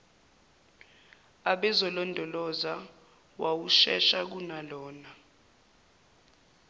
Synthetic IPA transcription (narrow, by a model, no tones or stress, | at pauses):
aɓɛzɔlɔndʱɔlɔza | wawuʃɛ̰ʃak̬unalɔːna